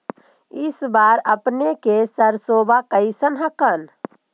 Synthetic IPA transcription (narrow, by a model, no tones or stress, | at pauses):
ɪsbaɾəpnekesəɾsobʱakəɪsənɦəkən